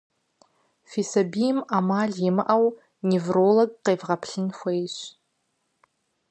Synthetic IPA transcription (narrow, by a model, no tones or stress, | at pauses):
fisɐbijmamaːɮjimɨʔɐw | nevroːloɡqeːvʁɐpʰɬɨnxʷejɕ